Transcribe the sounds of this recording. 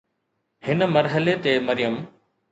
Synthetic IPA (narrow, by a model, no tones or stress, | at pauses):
hɪnə̆mɐɾɦəlet̪emɐɾijəm